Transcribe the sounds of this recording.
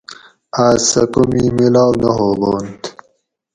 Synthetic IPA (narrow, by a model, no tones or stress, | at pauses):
aːsɐ̰kumimilaːwnɐɦoboːnt̪